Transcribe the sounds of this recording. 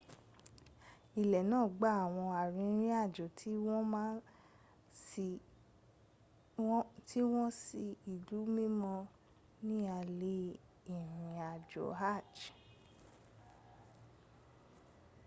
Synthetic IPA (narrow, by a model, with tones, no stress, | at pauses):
i˨lɛ˨nãː˦˨ɡ͡ba˨˦a˦˨w̃ɔ̃˧a˨ɾĩ˧˦ɾ̃ĩ˦a˦˨d͡ʒɔ˨tʰi˦wɔ̃˦mã˦ | ti˦w̃ɔ̃˦si˧i˨du˨˦mĩ˦mɔ̃˧ | nĩ˦a˧le˧˦ | i˨ɾĩ˨a˨d͡ʒɔ̰˨ɦa˦˨d͡ʒ